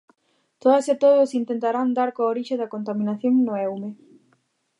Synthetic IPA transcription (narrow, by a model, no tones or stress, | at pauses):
t̪oðaset̪oðosint̪ẽnt̪aɾand̪aɾkooɾiʃeðakont̪amĩnaθjoŋnoɛwme